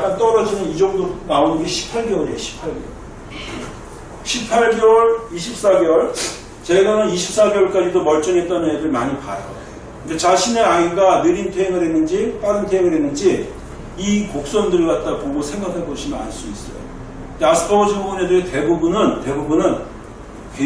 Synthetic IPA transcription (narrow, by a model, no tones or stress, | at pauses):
ant͈ʌɾʌd͡ʑinʌnid͡ʑʌŋdonaonnɡe̞ɕʰi̥pʰaɭɡeoɲeɕʰi̥pʰaɭɡḛo | ɕʰipʰaɭɡʌɭiɕʰip̚s͈aɡjʌʌɭ | t͡ɕeɡanɯniɕʰip̚s͈aɡeoɭk͈ad͡ʑidomʌɭt͡ɕ͈ʌnɦet͈̚ʌnɦedɯɭmaɲipa̰jo | kikat͡ɕaɕʰine̞aiɡanɯɾintʰeiŋɯɾɦe̞nːɯnd͡ʑip͈aɾɯntʰeŋɯɾɦe̞nːɯnd͡ʑi | ikok̚s͈ʌndɯɭɡat̚t͈apoɡosʰe̞ŋɡakʰaɭk͈ʌɕʰinɯna̰ɭs͈uis͈ʌ̰jo̰ | deasʰɯ̥pʰʌɡot͡ɕʰʌmounedɯɾete̞bubunɯnte̞bubunɯn | ke